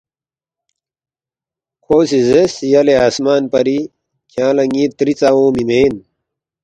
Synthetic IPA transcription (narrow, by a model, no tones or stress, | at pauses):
kʰoːsizesijɐleaːsmaːnpɐɾi | kjãːlɐŋit̪ɾit͡sawõːmimeːn